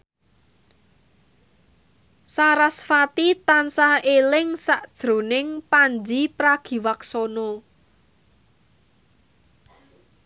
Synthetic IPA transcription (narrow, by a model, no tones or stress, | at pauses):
saɾasfat̪it̪ansaelɪŋsaʔd̥ʒ̥ɾo̤nɪŋpand͡ʒipɾaɡ̥i̤waksɔnɔ